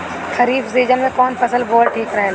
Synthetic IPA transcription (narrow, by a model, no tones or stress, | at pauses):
xɐɾiːbzeːd͡ʒənmẽkɔːnpɐsəlboːlʈʰiːkɾɐɦẽː